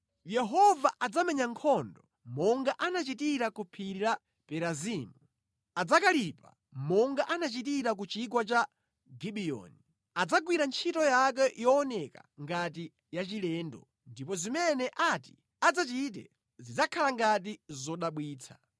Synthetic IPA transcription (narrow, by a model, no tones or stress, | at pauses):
jɛɦɔvaʔad͡zamɛɲaŋkʰɔndɔ | mɔŋɡaʔanat͡ʃitiɾakupʰiɾiɾa | pɛɾaziːmu | ad͡zakalipa̰ | mɔŋɡaʔanat͡ʃitiɾak̬ut͡ʃik̬wat͡ʃa | ɡiɓijɔ̰ːni | ad͡zaɡwiɾant͡ʃʰitɔjak̬ɛjɔːnɛka̰ŋɡat̬i | jat͡ʃilɛːndɔ̰ | ndipɔzimɛnɛʔati̥ | ad͡zat͡ʃit̬ɛ̰ | zid͡zakʰalaŋɡat̬izɔɗaɓwiːt͡sʰḁ